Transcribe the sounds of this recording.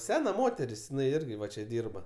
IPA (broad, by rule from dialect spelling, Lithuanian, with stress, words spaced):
ˈsʲæːnɐ ˈmoːtʲɛrʲɪs jɪˈnɐɪ ˈɪrʲɡʲɪ ˈʋɐ t͡ʃʲɛ ˈdʲiːrbɐ